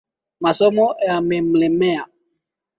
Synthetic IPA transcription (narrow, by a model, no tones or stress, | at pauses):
masɔmɔjamɛm̩lɛmɛa